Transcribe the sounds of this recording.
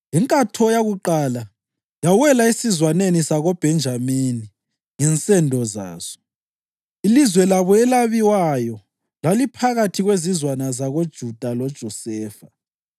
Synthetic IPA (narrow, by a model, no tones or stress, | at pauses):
jɛŋkʼatʰɔjaɣuǃala | jawɛlaisizwanenisaɣob̥ʱɛnd͡ʒʱamini | ŋɛnt͡sʼɛndʱɔza̰ːz̥ɔ̥ | ilizwɛlaβɔɛlaβiwajɔ | lalipʰaɣatʰiɣwezizwanazaɣod̥ʒ̥ʱud̥ʱalɔd̥ʒ̥ʱɔsɛːfa